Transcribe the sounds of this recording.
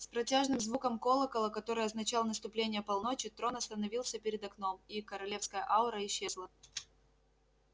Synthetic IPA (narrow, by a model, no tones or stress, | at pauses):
spɾɐtʲaʐnɨmzvukəmko̞lˠəkəlˠəkɐt̪o̞ɾɨjɐznɐt͡ɕalˠənəst̪ʊplʲenʲɪjəpɐlˠno̞t͡ɕɪt̪ɾo̞nɐst̪ənɐvʲilˠsʲəpʲɪɾʲɪd̪ɐkno̞mikəɾɐlʲe̞fskəjəʔaʊɾəɪɕːe̞zlˠə